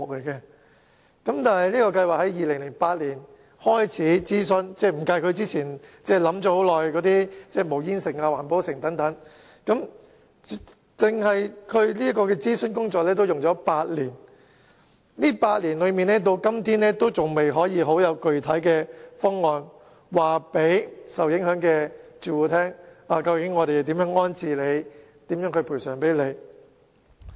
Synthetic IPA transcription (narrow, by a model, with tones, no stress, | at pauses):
mʊ˨k̚le˨˩jkɛː˧ | kɐ˨˥mt̪aː˨˩nhɐ˨jliː˥kɔː˧kɐ˧jwaː˨k̚hɐ˨˥jjiː˨˧lɪ˨˩ŋlɪ˨˩ŋpaː˧t̚liː˨˩n | hɔː˥jt͡sʰiː˨˥t͡siː˥sɵ˥nt͡sɛː˥˩m̩˨˩ka˧jkʰɵ˨˧ɥt͡siː˥t͡sʰiː˨˩nt͡sɛː˥˩lɐ˨˥mt͡ʃɔ˨˥ho˨˥wlɔː˨jkɔː˨˥t̪iː˥t͡sɛː˥˩mo˨˩wjiː˥nsɪ˨˩ŋaː˧waː˨˩npo˨˥wsɪ˨˩ŋt̪ɐ˨˥ŋt̪ɐ˨˥ŋ | kɐ˨˥m˥ | t͡sɪ˨ŋhɐ˨jkʰɵ˨˧ɥliː˥ɐ˥kɔː˧kɛː˧t͡siː˥sɵ˥nkʊ˥ŋt͡sɔː˨k̚lɛː˥t̪o˥wjʊ˨ŋt͡ʃɔː˨˥paː˧t̚liː˨˩n | liː˥paː˧t̚liː˨˩nlɵ˨˧ɥmiː˨nɛː˥t̪o˧wkɐ˥mt̪ʰiː˥nɛː˥t̪o˥wt͡sʊ˨ŋme˨jɦɔː˨˥jiː˨˧ɦo˨˥wjɐ˨˧wkɵ˨ɥt̪ʰɐ˨˥jkɛː˧fɔː˥ŋːɔː˧n | waː˨pe˨˥jsɐ˨wjɪ˨˥ŋhœː˨˥ŋkɛː˧t͡ʃyː˨wuː˨˧t̪ʰɛː˥ŋaː˨˧kɐ˧wkɪ˨˥ŋːɔː˨˧ɾe˨jt̪iː˨˥mjœː˨˥ŋɔː˥nt͡siː˧le˨˧j | t̪iː˨˥mjœː˨˥ŋkɵ˧pʰuː˨˩sœː˨˩ŋpe˨˥jle˨˧j